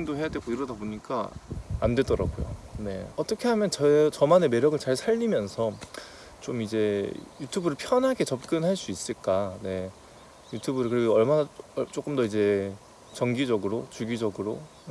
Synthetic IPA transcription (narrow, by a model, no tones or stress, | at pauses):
ŋdohe̞jadwe̞ɡoiɾʌdaboɲik͈a̰andwe̞dʌɾa̰ɡojo̰ne̞̰ʌt͈ʌkʰe̞ɦamjʌnt͡ɕʌt͡ɕʌmaneme̞ɾjʌɡɯɭt͡ɕaɭsʰaʎːimjʌnsʰʌ | t͡ɕomid͡ʑe̞jutʰubɯɾɯɭpʰjʌnɦaɡe̞t͡ɕʌp̚k͈ɯnɦaɭs͈uis͈ɯɭk͈ane̞ | jutʰubɯɾɯɭkɯɾiɡoʌɭmanat͡ɕ͈ok͈ɯmdʌid͡ʑe̞ | t͡ɕʌŋɡid͡ʑʌɡɯɾot͡ɕuɡid͡ʑʌɡɯɾo